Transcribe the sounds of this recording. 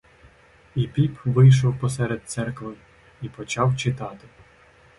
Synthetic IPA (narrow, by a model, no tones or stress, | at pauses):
ipʲipʋɪjʃ̬ɔwpɔsɛɾed̪̚t̪sɛrkʋɔjʊ | ipɔt͡ʃɑwt͡ʃɪt̪ɑt̪ɪ